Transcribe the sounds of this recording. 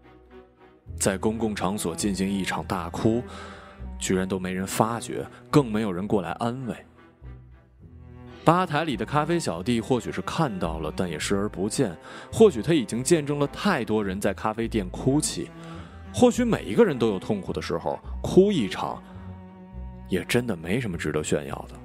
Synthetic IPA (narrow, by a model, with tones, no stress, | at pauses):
t͡sa˥˩ɪkʊ˥ŋkʊ˥˩ŋʈ͡ʂʰɑ˧˥ŋswɔ˨˩t͡ɕi˥˩nɕi˧˥ŋi˥˩ʈ͡ʂʰɑ˨˩ŋt̪a˥˩kʰu˥ | t͡ɕy˧˥ɻa˧˥nt̪o˥ʊme˧˥ɪɻə˧˥nfa˥t͡ɕɥɛ̰˧˥kɤ˥˩ŋme˧˥ɪjo˨˩ʊɻə˧˥nkwɔ˥˩la̰˧˥ɪʔa˥nwe˥˩ɪ | pa˥t̪ʰa˧˥ɪli˨˩d̪ə˦kʰa˥fe˥ɪɕjɑ˨˩ʊt̪i˥˧xwɔ˥˩t͡ɕʰy˨˩ʂɻ̩˥˧kʰa˥˧nt̪ɑ˥˩ʊlə˩t̪a˥˩njɛ˨˩ʂɻ̩˥˩ə˞˧˥pu˧˥t͡ɕjɛ˥˩nxwɔ˥˩t͡ɕʰy˨˩t̪ʰa˧˥i˨˩t͡ɕi˥ŋt͡ɕjɛ˥˧nʈ͡ʂɤ˥˧ŋlə˨t̪ʰa˥˩ɪt̪wɔ˥ɻə˧˥nt͡sa˥˩ɪkʰa˥fe˥ɪt̪jɛ˥˩nkʰu˥t͡ɕʰḭ˨˩˦ | xwɔ˥˩t͡ɕy˧˥me˨˩ɪi˧˥ɡə˧ɻə˧˥nt̪o˥ʊjo˨˩ʊt̪ʰʊ˥˩ŋkʰu˨˩d̪ə˦ʂɻ̩˧˥xo̰˧ʊkʰu˥i˥˩ʈ͡ʂʰɑ̰˨˩˦ŋ | jɛ˨˩ʈ͡ʂə˥nd̪ə˨me˧˥ɪʂə˧˥nmə˧ʈ͡ʂɻ̩˧˥d̪ə˧˥ɕɥɛ̰˥˧njɑ̰˥˩ʊd̪ə˩